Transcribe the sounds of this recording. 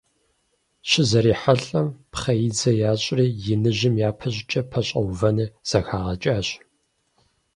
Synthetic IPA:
ɕɪzɐɾiːħaɬʼɐmpχɐjɪd͡zɐjaːɕʼriːjɪnɨʑɪmjaːpʰɐɕʼɪt͡ʃʼɐpʰɐɕʼɐwvɐnɨz̥ɐxaːʁɐt͡ʃʼaːɕ

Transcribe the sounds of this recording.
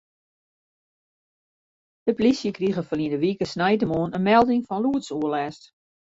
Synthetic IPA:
d̥əplisjəkriɣəfəliəndəʋikəsnɛjtəmoːənənmɛlˠdɪŋfɔnluətsuəlɛːst

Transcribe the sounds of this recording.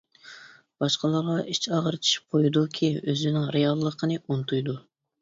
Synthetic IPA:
b̥ɑʃqəlˠɑɾʁɑʔit͡ʃʰɑʁəɾɨt͡ʃ̪ʰi̥ʃi̥p̚qʰojud̪ukʲʰiøzynɪŋɾejɑlˠːəqʰənɨont̪ʰujd̪u

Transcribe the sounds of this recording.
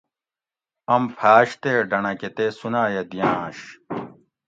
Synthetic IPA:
ɐmpʰaːɕt̪eːɖɐnɐket̪esunaːjɐd̪ijãːɕ

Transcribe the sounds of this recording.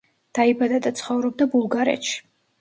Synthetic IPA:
d̪̥aibad̪ad̪at̪sʰχɔvɾɔb̚d̪abulˠɡaɾɛ̰t̪ʃi̥

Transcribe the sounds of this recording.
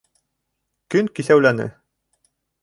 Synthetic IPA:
kɵŋkiθæwlænɘ̰

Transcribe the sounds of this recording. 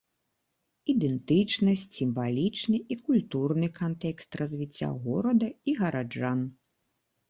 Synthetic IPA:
id̪ɛnt̪ɨt͡ʂnɐsʲt͡sʲsʲimvalʲit͡ʂnɨikulʲt̪urnɨkant̪ɛkst̪rɐzʲvʲit͡sʲːa̰ɣɔɾɐd̪ɐiɣɐɾad͡ʐan

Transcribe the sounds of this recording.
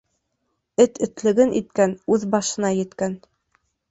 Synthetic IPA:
ɘt̪ɘ̆t̪lɘ̆ɡɘnʔit̪̚kænʉðbɑʃɤ̆nɑjɘ̆t̪kæn

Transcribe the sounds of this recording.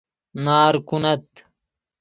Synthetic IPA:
naːɾkunɐt̪

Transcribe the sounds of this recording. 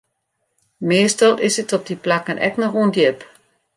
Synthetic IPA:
mɪəstəlˠʔɪsətɔp̚diplakənʔɛ̰knɔxuəndjɪp

